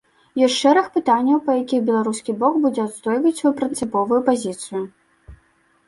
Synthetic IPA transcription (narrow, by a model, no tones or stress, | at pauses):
jɔsʲtʲʂɛɾɐxpɨt̪anʲːɐwpɐjakʲiɣbʲɛlˠaɾuskʲibɔkbud͡zʲɛad̪st̪ɔjvɐt͡sʲsɐjupɾɨnt̪sɨpɔvujupazʲit̪sɨjʊ